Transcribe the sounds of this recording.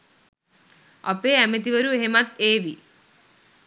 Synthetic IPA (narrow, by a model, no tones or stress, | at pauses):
ɐ̰peːɛmet̪̬iʋɐɾueɦemɐt̪eːʋi